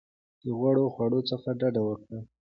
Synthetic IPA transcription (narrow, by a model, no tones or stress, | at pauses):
d̪̥əɣwaɽoxwaɽot͡səxaɖaɖawəkɽa